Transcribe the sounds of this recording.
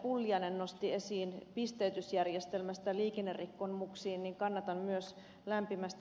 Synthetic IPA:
pulːiɑnennost̪iesiːnpist̪eyt̪ysjærjest̪elmæst̪æliːkenːerrikːonmuksiːnniŋkɑnːɑt̪ɑmmyøs | læmpimæst̪

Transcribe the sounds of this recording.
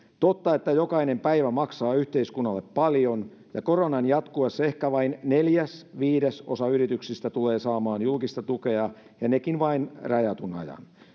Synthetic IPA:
t̪ot̪ːɑe̞t̪ːæjo̞kɑine̞mpæiʋæmɑksɑːyht̪e̞iskunːɑlːepːɑljo̞n | jɑko̞ronɑnjɑt̪kuɑsːe̞hkæʋɑinːeljæsʋiːdeso̞̰sɑyrit̪yksist̪æt̪ule̞ːsɑːmɑːnjulkist̪ɑt̪ukeɑ | jɑnekinʋɑinrɑjɑt̪unɑ̰jɑ̰n

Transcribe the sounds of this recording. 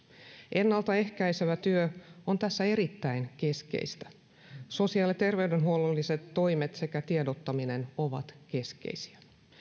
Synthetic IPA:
ʔe̞nːɑlt̪ɑe̞hkæjseʋæt̪yøo̞nt̪æsːæe̞ɾit̪ːæinke̞skḛist̪æ̥ | so̞siɑːlit̪e̞rʋe̞yde̞nɦuololːise̞t̪ːo̞jmet̪se̞kæt̪iedot̪ːɑmine̞no̞ʋɑ̰t̪ke̞skḛisi̥æ

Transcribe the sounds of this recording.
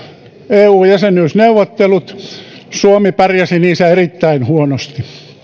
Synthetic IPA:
eːuːjæsenyːsneuʋot̪ːelut̪ | suomipærjæsiniːsæerit̪ːæinhuonost̪i

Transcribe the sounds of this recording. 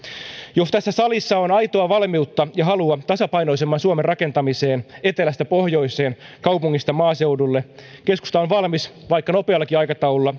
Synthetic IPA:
jost̪æsːæsɑlisːɑonɑjt̪oɑʋɑlmiut̪ːɑjɑɦɑluɑt̪ɑsɑpɑjno̞isemːɑnsuomerrɑke̞nt̪ɑmiseːne̞t̪elæst̪æpohjo̞ise̞ːnkɑwpuŋːist̪ɑmɑːse̞udulːeke̞sku̥st̪ɑonʋɑlmisʋɑikːɑno̞peɑlːɑkiɑjkɑt̪ɑuulːɑ

